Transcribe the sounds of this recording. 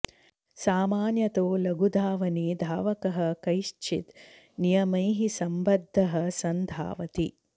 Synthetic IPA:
saːmaːnjɐt̪oːlɐɡud̪ʱaːʋɐnid̪ʱaːʋɐkɐɦɐ̆kɐjʃt͡ʃʰḭt̪ | nijɐmɐjɦisɐmbɐd̪ʱːɐɦɐ̆sɐnd̪ʱa̰ːʋɐt̪i

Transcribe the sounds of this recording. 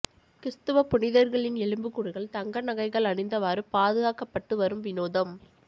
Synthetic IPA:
kɪɾt̪ɯʋɐpʊnɪðɐɾɣɐɭɪnɛɭɯmbɯkːʊɽɯɣɐɭt̪ɐŋɡɐnɐɣɐɪɣɐɭɐɳɪnd̪ɐʋaːɾɯpaːðɯɣaːkɐpːɐʈːɯʋɐɾɯmʋɪnoːðɐm

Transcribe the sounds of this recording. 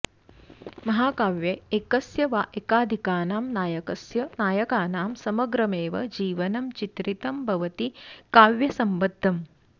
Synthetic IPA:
mɐɦaːkaːʋjɐekɐsjɐʋaːʔekaːd̪ʱikaːnaːmnaːjɐkɐsjɐnaːjɐkaːnaːmsɐmɐɡɾɐmeːʋɐ̰d͡ʒiːʋɐnɐmt͡ʃit̪ɾit̪ɐmbʱɐʋɐt̪ikaːʋjɐsɐmʋɐd̪ʱːɐm

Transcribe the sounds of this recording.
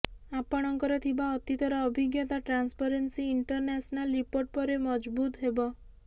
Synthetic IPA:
apɔɽ̃ɔŋkɔɾɔt̪ʰibaɔt̪it̪ɔɾɔːbʱiɡjɔt̪aʈɾanspaɾensiːɳʈɔɾnasɔnalɾipoɾʈ̚pɔɾemɔd͡ʒbut̪ɦebɔ

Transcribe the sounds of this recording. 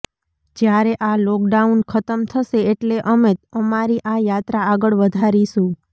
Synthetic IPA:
d͡ʒjaɾeʔalɔk̚ɖaunkʰət̪əmt̪ʰəʃeːʈleʔəmet̪əmaɾiʔajat̪ɾaːɡəɭʋəd̪ʱaɾiʃũ

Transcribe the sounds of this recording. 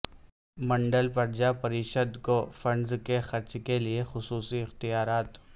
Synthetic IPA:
mɐ̃ɳɖəlpɐɾd͡ʒapɐɾiːʃəd̪kofɐ̃ɳɖzkexɐɾt͡ʃkeliexʊsuːsiɪxt̪ijaːɾaːt̪

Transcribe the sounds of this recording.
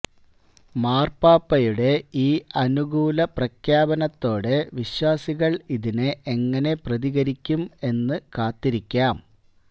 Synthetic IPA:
maːrpaːpːɐjuɽe̞iːɐnuɣuːlɐprɐkʰjaːbɐnɐt̪ːo̞ːɽɨʋiɕwaːsiɣɐɭiðinɨʔe̞ŋːɐne̞prɐðiɣɐɾikʲːume̞nːɨkaːt̪ːiɾikʲːaːm

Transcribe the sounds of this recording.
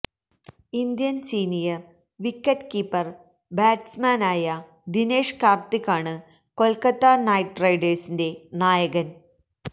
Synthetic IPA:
ind̪jɐnsiːnijɐr | ʋikːɐʈkipːɐr | baːʈsmaːnaːjɐ | d̪ineːʂkaːrt̪ikːaːɳɨ | ko̞lkɐt̪ːanɐjʈrɐjɖeːsinde̞naːjɐɣɐn

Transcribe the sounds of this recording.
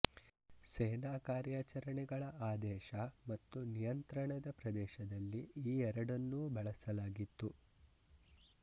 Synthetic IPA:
sɛːnaːkaːɾjaːt͡ʃɐɾɐɳɛɡɐɭɐʔaːd̪ɛːʃɐmɐt̪ːunijɐnt̪ɾɐɳɐd̪ɐpɾɐd̪ɛːʃɐd̪ɐlːiiːɛɾɐɽɐnːuːbɛɭɐsɐlaːɡit̪ːu

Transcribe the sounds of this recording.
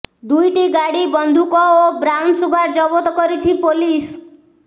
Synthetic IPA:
d̪ujʈiɡaɽibɔnd̪ʱukɔobɾawnsuɡaɾd͡ʒɔbɔt̪ɔkɔɾit͡ʃʰipolis

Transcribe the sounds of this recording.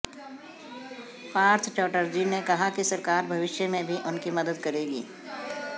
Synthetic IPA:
paːɾt̪ʰt͡ʃɔːʈəɾd͡ʒinekɐɦakisɐɾkaːɾbʱɐʋɪʃjəmẽbʱiʔʊnkimɐd̪əd̪̚kɐɾeːɡḭː

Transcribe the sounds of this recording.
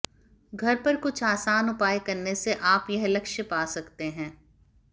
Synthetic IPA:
ɡʱɐɾpɐɾkʊt͡ʃʰaːsaːnʊpaːjekɐɾneseʔaːpjɐɦlɐkʃəpaːsɐkt̪eɦɛ̃ː

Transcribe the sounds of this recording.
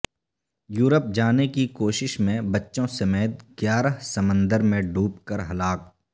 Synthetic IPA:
juːɾəp̚d͡ʒaːnekikoːʃɪʃmẽbɐtːʃõsɐmeːt̪̚ɡjaːɾəɦsɐmə̃nd̪əɾmẽɖʱuːpkəɾɦɐlaːk̚

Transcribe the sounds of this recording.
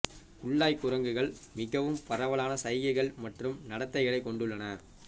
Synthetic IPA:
ʊɭːaːjkʊɾɐŋɡɯɣɐɭmɪɣɐʋɯmpɐɾɐʋɐɭaːnɐsɐjjɐɪɣɐɭmɐʈrɯmnɐɽɐt̪ːɐɪɣɐɭɐɪkːɔɳɖɯɭːɐnɐ

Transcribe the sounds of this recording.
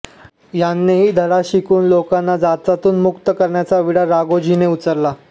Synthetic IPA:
janːeɦiːd̪ʱəɽaɕikuːnlokanːad͡zat͡sat̪uːnmukt̪əkəɾɳjat͡saʋiɽaɾaɡod͡ʑineut͡səɾla

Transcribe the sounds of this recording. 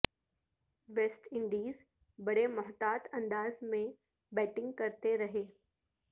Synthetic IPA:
ʋeːsʈɪ̃ɳɖiːz | bɐɽemʊɦt̪aːt̪ʰɐ̃nd̪aːzmẽ | bɛːʈɪ̃ŋɡkɐɾt̪eɾɐɦeː

